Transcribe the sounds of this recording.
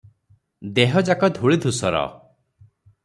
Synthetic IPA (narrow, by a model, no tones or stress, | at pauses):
d̪eɦɔd͡ʒakɔd̪ʱuɭid̪ʱusɔɾɔ̰